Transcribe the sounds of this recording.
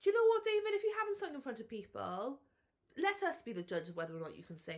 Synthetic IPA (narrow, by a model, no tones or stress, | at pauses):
d̥ənoʊwɒt̚d̥eɪvɪɾɨfjəɦavə̃ntsʌ̃ŋɪ̃nfɹʌ̃ntəv̥piˑpə̰lˠ | lɛtʌsb̥iðəd͡ʒʌd͡ʒəvwɛðə˞ənə̰t͡ʃə̰kʰə̃n̩seɪ